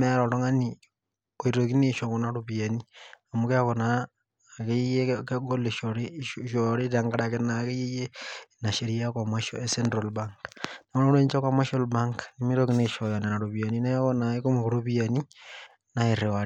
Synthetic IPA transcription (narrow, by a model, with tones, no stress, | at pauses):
meɾoɾo˦ŋa˦ni | ko˨iɾok̬i˦ne˦ʃo˨ko˨naɾoβia˨ni˦a˨mu˦ke˦konaː˨ | ke˦i˦je˦keɡo˦le˨ʃoɾiʃoɾe˦taŋɡa˦ɾakenake˦ji˦je˦na˨ʃe˨ɾi˦a˦kwamaʃo˦ese˦ndɾo˨lbaŋkmo˦no˦ne˦ɲt͡ʃa˦kwama˦ʃolba˦ŋkni˦mi˦ɾokineʃo˨ja˨ne˨na˨ɾoβi˨a˨nine˦ko˦na˨eko˦mukoɾoβiani | na˦e˨ɾe˨wa˨ɾ